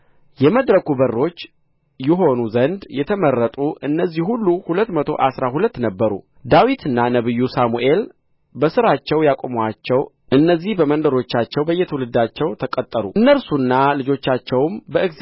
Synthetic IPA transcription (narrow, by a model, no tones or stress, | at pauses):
jɛməd̪ɾəkubərːo̞t͡ʃː | jɛɦo̞nuzənd̪jɛt̪ʰəmərːət̪ʼuʔɨnːəzːihhulːuhulət̪ːmət̪ʰo̞̰ʔasɾahulət̪ːnəbːəɾṵ | d̪awit̪ʰɨnːanəβɨjːusamuʔe̞l | bəsɨɾat͡ʃːɛwjakʼomwat͡ʃːɛw | ʔɨnːəzːihbəmənd̪əɾo̞t͡ʃːat͡ʃːɛwbəjːɛt̪ʰəwulɨd̪at͡ʃːɛwt̪ʰəkʼət̪ʼːəɾṵɨnːəlsunːalɨd͡ʒo̞t͡ʃːat͡ʃːɛwmbəʔɨk